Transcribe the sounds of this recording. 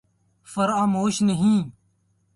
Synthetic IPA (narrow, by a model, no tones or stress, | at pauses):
fəɾaːmoːʃnəɦĩː